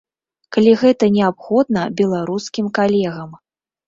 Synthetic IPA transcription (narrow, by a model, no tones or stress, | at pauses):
kalʲiɣɛt̪ɐnʲɛapxɔd̪̚nɐbʲɛlˠaɾuskʲimkalʲɛɣɐm